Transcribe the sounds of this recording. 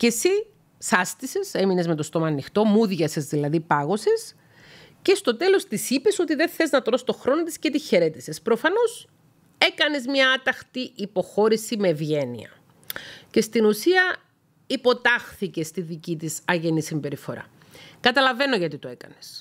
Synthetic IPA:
ce̞si | sɐst̪ise̞se̞minezmet̪o̞st̪o̞mɐːnːixt̪o̞muðʝɐse̞zðilɐðipɐɣo̞ses | ce̞st̪o̞t̪e̞lo̞st̪isipe̞sot̪iðe̞θe̞znɐt̪ɾo̞st̪o̞xɾo̞not̪iscet̪içe̞ɾe̞t̪ise̞spɾo̞fɐno̞s | e̞kɐne̞zmɲɐɐt̪ɐxt̪iʔipo̞xo̞ɾisime̞ːvʝe̞nḭɐ̰ | ce̞st̪inusiɐ | ipo̞t̪ɐxθice̞st̪iðicit̪isɐʝe̞nisimbe̞ɾifo̞ɾɐ̰ | kɐt̪ɐlɐve̞no̞ʝɐt̪it̪oe̞kɐ̰nes

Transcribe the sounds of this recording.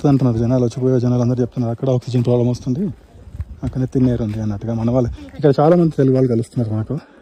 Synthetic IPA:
t̪ud̪ɐɳʈ̬unːaːɾud͡ʒɛnaːlɐt͡ʃːupoːjoːd͡ʒɐnaːlɐnd̪ɐɾt͡ʃep̚ut̪unːaːɾɐkːɐɽɐaːksid͡ʒɐnpɾoːblɐmost̪und̪i | ɐkːɐnet̪ːinːeːɾund̪iɐnːɐʈuɡaːmɐnɐʋaːlːɐikːɐɽɐt͡ʃaːlaːmɐnd̪iɾeliʋaːlːukɐlust̪unːaːɾumɐːɐku

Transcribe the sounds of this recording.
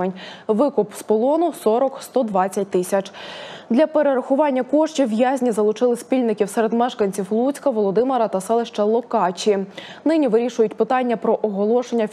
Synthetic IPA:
enʲʋɪkʊpspɔlˠɔnʊsɔɾɔkst̪ɔd̪ʋɑt͡sʲːɐt̚ʲt̪ɪsʲɐt͡ʃd̪lʲɐpeɾeɾɐxʊʋɑnʲːɐkɔʃt͡ʃʲiʋjazʲnʲizɐlˠʊt͡ʃɪlˠɪspʲilʲnɪkʲiwsɛɾed̪mɛʃkɐnʲt͡sʲiwlˠut͡sʲkɐʋɔlˠɔd̪ɪmeɾɐt̪ɐsɛlˠeʃt͡ʃɐlˠɔkɑt͡ʃʲi | nɪnʲiʋɪɾʲiʃʊjʊtʲpɪt̪ɑnʲːɐpɾɔʔɔɦɔlˠɔʃenʲːɐ

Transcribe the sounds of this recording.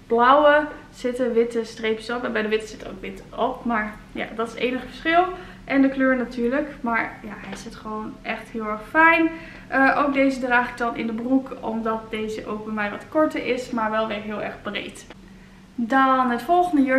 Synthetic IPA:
b̥lʌwə | z̥ɪtəʋɪtəstrejpsɔpɛnbɛjdəʋɪtə̥z̥ɪtəo̰wkʋɪtɔp̚maːɹ | ja̰dɑtɪ̥sejnəχfə̥ɹsχɪlˠ | ʔɛndəkløːɹnatyːɹləkmaːɹjaɦɛjɪsɪtχəʋownʔɛχtɦɪːlˠɛɹχfɛjn | ʔəʔowk̚dejzədraːχɪk̚dɑnʔɪ̰ndəbrukɔ̰mdɑt̚dejzəʔo̰wɡ̚bɛjmɛjʋɑtkɔɹtəʔɪsmaːɹʋɛlˠʋɪːɹɦɪːlˠɛɹχbrḛjt | dɑnɦətfɔlˠχəndəjø

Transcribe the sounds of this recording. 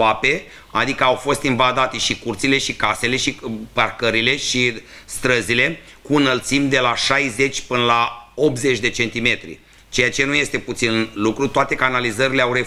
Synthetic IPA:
ape̞ | a̰d̪ikəawfo̞st̪invad̪at̪e̞ʃikurt̪sile̞ʃikase̞le̞ʃiparkəɾile̞ʃi | st̪ɾəzile̞ | kuɨnəlt̪simd̪e̞laʃajze̞t͡ʃʲpɨnlao̞p̪ze̞t͡ʃʲd̪e̞t͡ʃe̞nt̪ime̞t̪ɾḭ | t͡ʃe̞jat͡ʃe̞nuje̞st̪e̞put̪sinlukɾut̪oat̪e̞kanalizəɾileawɾe̞

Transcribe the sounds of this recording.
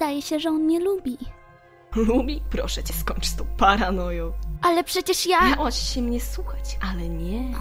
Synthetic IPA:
d̪ajɛɕɛʐɛɔnɲɛlubʲi | lubʲipɾɔ̰ʂɛt͡ɕɛskɔɲʲt͡ʂst̪ɔ̃paɾanɔjɔ̃wʔalɛpʂɛt͡ɕɛʂjaawat͡ɕɕɛmɲɛswuxat͡ɕʔalɛɲɛ

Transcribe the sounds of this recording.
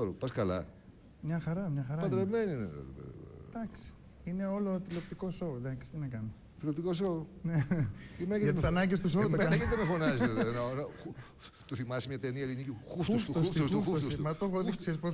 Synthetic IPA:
olpɐskɐlɐ̰ | mɲɐxɐɾɐmɲɐxɐɾɐpɐd̪ɾemeninḛd̪ɐksi̥ | ine̞o̞lot̪ilopt̪iko̞sowðɐkst̪inɐkɐno | t̪ilop̚t̪ikos̬owneemeɐeɐt̪sɐnɐɲɟes̬t̪us̬oomɐnɐket̪t̪emefonɐzeððenɐoɾɐu | t̪uθimɐsimɲɐt̪eniɐelinicixuftuosfossfost̪ufuosmɐt̪oxoðikseispos

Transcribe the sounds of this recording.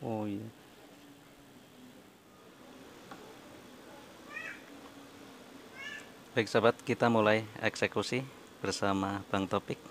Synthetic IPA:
oja | b̥aik̚sabat̪̚kit̪amulajɛ̰ksekusi | bərsamapaŋt̪opɪk̚

